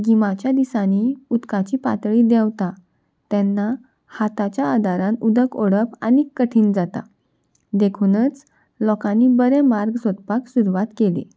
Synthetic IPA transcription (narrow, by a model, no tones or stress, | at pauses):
ɡimat͡ɕjad̪isãniut̪kat͡ɕiːpa̰t̪ɭiːd̪ɛwt̪a | t̪ɛnːa | hat̪at͡ɕjaːd̪aɾãnud̪ʱəkoɽəpa̰nikːəʈʰiːnd͡zat̪a̰ | d̪ekʰunət͡s | lɔkãnːibəɾɛmaɾɡsɔt̪paksuɾuʋat̪kelḛ